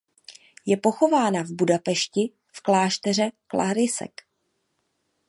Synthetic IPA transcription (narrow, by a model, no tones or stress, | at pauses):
jɛpo̞xo̞vaːnavbudapɛʃcɪ | fklaːʃt̪ɛr̝ɛklʔa̰ɦɾɪsɛ̰k